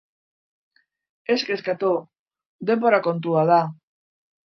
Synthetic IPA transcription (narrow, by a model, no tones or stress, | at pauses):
e̞skeskat̪u | d̪e̞mbo̞ɾako̞nt̪uaða